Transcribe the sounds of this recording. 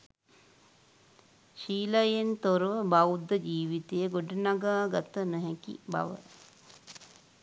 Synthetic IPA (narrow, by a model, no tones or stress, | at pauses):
ʃiːlajent̪oɾəʋəbawd̪ːəd͡ʒiːʋit̪ejəɡoɖənaɡaːɡat̪ənəɦɛkḭba̰ʋə̰